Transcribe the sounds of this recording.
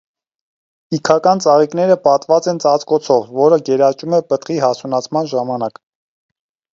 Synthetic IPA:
ikʰɑkɑnt͡sɑʁikn̪ɛɾəpɑt̪vɑt͡sɛnt͡sɑt͡skɔt͡sʰɔvːɔɾəɡɛɾɑt͡ʃumɛpət̪χihɑt͡sʰunɑt͡sʰmɑnʒɑmɑnɑk

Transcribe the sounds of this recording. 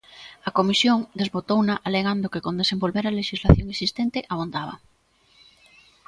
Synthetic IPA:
ɐkomisjoŋd̪ezβot̪ownaʔaleɣ̞and̪okekõnd̪esembolβeɾaleʃizlaθjoŋesist̪ent̪eʔaβond̪aβ̞a̰

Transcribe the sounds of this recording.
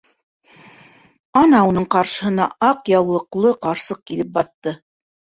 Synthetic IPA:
ɑnɑunɤɴqɑɾʃɤ̆ɦɤ̆nɑ̰ʔɑqjɑwlˠɤ̆qlˠɤqɑɾsɤq̚kilɘp̚bɑθt̪ɤ

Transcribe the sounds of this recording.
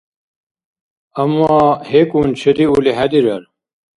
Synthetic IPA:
ɐmːaːhekunt͡ɕʰɐd̪iuliɦɐd̪iɾɐɾ

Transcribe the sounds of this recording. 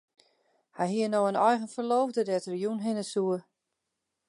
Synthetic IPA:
hɛjɦiənoənɔjɣənfərloːvdədɛətrijunɦɪnəsuə

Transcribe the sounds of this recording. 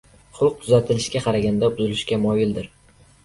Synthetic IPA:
χʊlˠq̚t̪ʰʊzat̪ʰɪlɪʃkʲaqʰɑɾaɡʲand̪abʊzɪlɪʃkʲamɒjɪld̪ɪɾ

